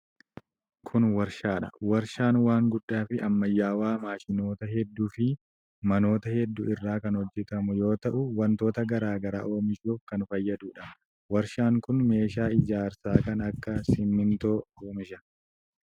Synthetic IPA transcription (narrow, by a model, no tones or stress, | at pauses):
kʰʊnwɐɾʃaːᶑɐ̰wɐɾʃaːnwaːŋɡʊᶑːaːfɪʔɐmːɐjːaːwaːmaːʃɪno̞ːt̪ɐhɛd̪ːuːfɪ | mɐno̞ːt̪ɐhɛd̪ːuɪrːaːkɐnhɔd͡ʒːɛt̪ɐmʊjo̞ːt̪ɐʔʊwɐnt̪o̞ːt̪ɐɡɐɾaːɡɐɾa̰ːʔo̞ːmɪʃuːfkɐnfɐjːɐd̪uːᶑɐ | wɐɾʃaːŋkʊnme̞ːʃaːɪd͡ʒaːɾsaːkɐnɐkːɐsɪmːɪnt̪o̞ːoːmɪʃɐ